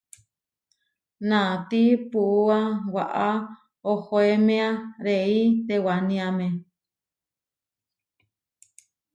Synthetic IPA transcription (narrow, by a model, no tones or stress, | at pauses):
nãt̪ipuuawaʔa | ohoemẽãɾeit̪ewanĩãmẽ